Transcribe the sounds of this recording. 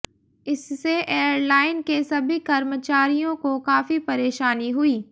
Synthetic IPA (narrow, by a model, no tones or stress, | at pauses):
ɪsːeʔeːəɾlaːɪnkesɐbʱikɐɾmət͡ʃaːɾijõkokaːfipɐɾeːʃaːniɦʊiː